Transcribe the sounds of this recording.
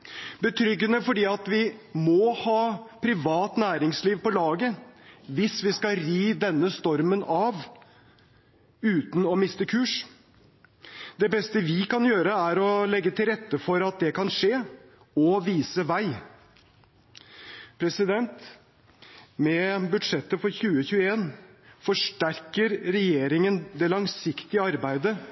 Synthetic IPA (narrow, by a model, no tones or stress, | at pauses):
bət̪ʰɾʏɡːənəfɔɖiːɑt̪ʋɪmɔhɑːpʰɾɪʋɑːt̪næːɾɪŋsliːʋpɔlɑːɡəʋɪsʋɪskɑɾiːd̪ɛnːəst̪ɔɾmənɑʋ | ʉːt̪n̩ɔmɪst̪əkʰʉːʂ | d̪̥ɛbɛst̪əʋɪkɑnjøːɾəæɾɔlɛɡːət̪ʰɪlɾɛt̪ːəfɔɾɑt̪̚d̪ɛkʰɑnʂeː | ɔʋiːsəʋæɪ | pʰɾɛsɪd̪ɛnt̪ | mɛbʉd̪ʂɛt̪ːəfɔɾçʉːəçʉːəeːnfɔʂʈæɾkəɾɾɛjeːɾɪŋənd̪ɛlɑŋsɪkt̪ɪəɑɾbæɪd̪ə